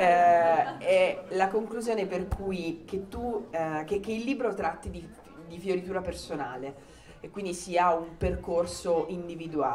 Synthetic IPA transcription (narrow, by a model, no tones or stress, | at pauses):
ɛ | ɛlakoŋkluzjoːneperkʰujk̟et̪ːukekːeilːiːbɾot̪ɾat̪ːid̪i | d̪ifjoɾit̪uːɾapersonaːle | ekːwind̪isiaumperkorsoʔind̪ivid̪ua̰ː